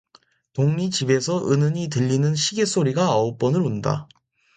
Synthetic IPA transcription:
toŋmit͡ɕibe̞sʰʌʔɯnɯɲit̬ɯʎːinɯnɕʰiɡesʰoɾiɡaʌop͈ʌnɯɾunda̰

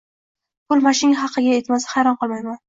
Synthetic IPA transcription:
pʰʊlˠmaʃɪɪŋɦɑqʰɨɡʲajet̪masḁhajɾɒnqɨlˠmajman

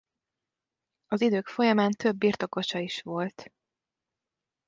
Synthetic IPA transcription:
ɒzid̪øːkfo̞jɒmaːnt̪ø̞bːiːrt̪o̞ko̞ʃɒiʃʋo̞lt̪

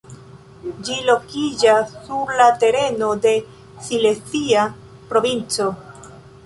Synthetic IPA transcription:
d͡ʒilo̞kid͡ʒasːuɾlate̞ɾe̞no̞de̞ | silesia | pɾo̞vint͡so̞

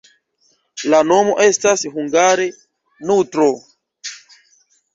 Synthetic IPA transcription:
lano̞mo̞ʔe̞stasɦuŋɡaɾe | nutɾo

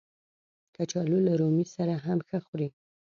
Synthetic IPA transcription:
kat͡ʃɑlulaɾomisaɾaɦamxəxuɾi

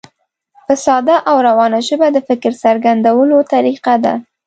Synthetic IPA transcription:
fɪsɑd̪aʔawɾawɑnaʒəbad̪əfɪkɾsaɾɡand̪awəlot̪aɾiqad̪a̰

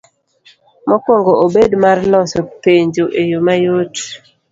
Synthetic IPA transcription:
mɔkwɔŋɡoobedmarlɔsɔpeɲd͡ʒoʔejomajot

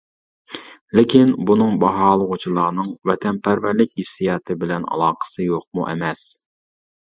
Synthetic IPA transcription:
lɪkʲʰinbunɨŋbɑɦɑːlˠəʁʊt͡ʃʰilˠɑːnɨŋvɛt̪ʰɛnpʰæɾvæɾlɪkʲhisːijɑːt̪ʰɨbɪlɛnɑ̰lˠɑːqə̥sɨjoq̚mṵʔɛ̰mɛs

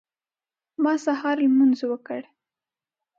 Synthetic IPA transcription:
mɑsahɑɾlmanzowəkəɽ

